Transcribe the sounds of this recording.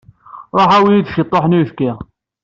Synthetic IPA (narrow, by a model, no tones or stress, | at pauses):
ɾˤoħæwijid̪ʃət̪ˤːoħnujfki